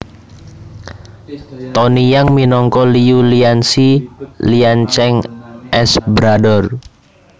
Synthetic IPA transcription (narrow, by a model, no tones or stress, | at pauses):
t̪ɔnijaŋminɔŋkɔliuliansiliant͡ʃɛŋʔɛsbɾadɔr